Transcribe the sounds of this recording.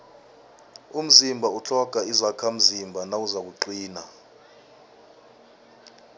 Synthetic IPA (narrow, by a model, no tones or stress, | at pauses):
um̩zimbʱaut͡ɬʰɔɡ̥ʱaizakʰam̩zimbʱanauzak̬uǃiːna